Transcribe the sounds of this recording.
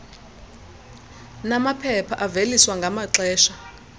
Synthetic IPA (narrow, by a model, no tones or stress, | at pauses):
namapʰɛpʰaʔaveliswaŋɡʱamaǁɛːʃa